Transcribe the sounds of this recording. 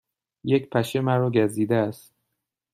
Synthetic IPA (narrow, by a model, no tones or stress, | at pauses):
jecpʰæʃemæɾɒːɟæziːd̪eæst̪